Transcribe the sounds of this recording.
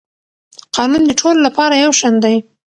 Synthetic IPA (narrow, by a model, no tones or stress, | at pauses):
qɑnund̪əʈʰololapɑɾajawʃand̪aj